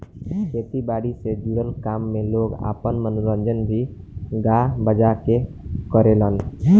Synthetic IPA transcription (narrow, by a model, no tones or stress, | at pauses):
kʰet̪ibaɽised͡ʒuɽəlkamːẽloɡa̰ːpənmənuɾə̃nd͡ʒənbʱi | ɡabəd͡ʒake | kəɾelən